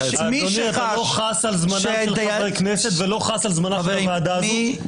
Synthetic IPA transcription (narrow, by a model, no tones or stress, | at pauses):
aonietaloχasalzmanaʃelʁejkneset̪velo̞χasalzmanaavaːd̪azo